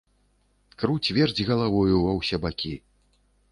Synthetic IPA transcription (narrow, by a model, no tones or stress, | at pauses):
kɾut͡sʲvʲɛrd͡zʲɣɐlˠavɔjuvɐwsʲɛbakʲi